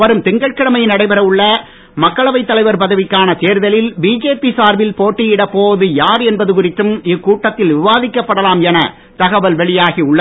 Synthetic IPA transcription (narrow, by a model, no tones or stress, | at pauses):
ʋɐɾɯmt̪ɪŋɡɐɭkɪɽɐmɐjnɐɽɐɪbɐɾɐʋɯɭːɐ | mɐkːɐɭɐʋɐɪt̪ːɐlɐɪʋɐɾpɐðɐʋɪkːaːnɐt̪eːɾðɐlɪlbiːd͡ʒeːpisaːɾʋɪlpoːʈːɪjɪɽɐpːoːðɯjaːɾɛnbɐðɯkʊɾɪt̪ːɯmɪkːuːʈːɐt̪ːɪlʋɪʋaːðɪkːɐpːɐɽɐlaːmjɛnɐ | t̪ɐɣɐʋɐlʋɛɭɪjaːɣiʊɭːɐ